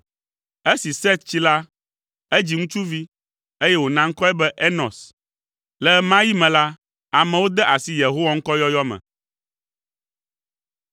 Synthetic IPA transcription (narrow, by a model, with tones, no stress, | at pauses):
e˦si˨sɛ˦t̪̚t͡ɕi˦la˦ | e˦d͡ʑi˨ŋũ˦t͡ʃu˦vi˦ | e˦jɛ˦wo˨nã˦ŋ̩˦kɔ˦ɛ˦bɛ˦ʔe˦nɔ̃˨s | lɛ˨mã˦ji˦mɛ̃˨la˦ | a˨mɛ̃˨wo˦d̪ɛ˦ʔa˨si˦je˨ɦo˦wa˦ŋ̩˦kɔ˦jɔ˦jɔ˦mɛ̰̃˨